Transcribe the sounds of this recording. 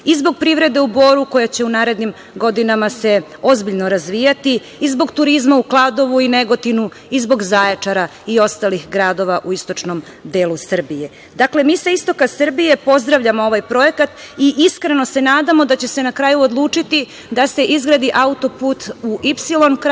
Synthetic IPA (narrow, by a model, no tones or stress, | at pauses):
izbo̞ɡ̚pɾiʋɾe̞d̪e̞ubo̞ːɾuko̞jat͡ɕe̞unaːɾe̞d̪nim | ɡo̞d̪inamase̞ | o̞zbiʎnoɾazʋiːjat̪i | izbo̞ɡt̪uɾizmauklˠaːd̪o̞ʋuineɡo̞t̪inu | izbo̞ɡzaːjet͡ʂaɾaio̞st̪alixɡɾaːd̪o̞ʋaʔuist̪o̞t͡ʂno̞m | d̪eːlusr̩bije̞ | d̪akle̞miːsaist̪o̞kasrbije̞po̞zd̪ɾaʋʎamoo̞ʋajpɾo̞jekat̪iʔiskɾe̞no̞se̞naːd̪amo̞d̪at͡ɕe̞se̞nakɾaːjuod̪lˠuːt͡ʂit̪i | d̪ase̞ʔizɡɾad̪iʔaut̪o̞puːt̪uʔipsilo̞nk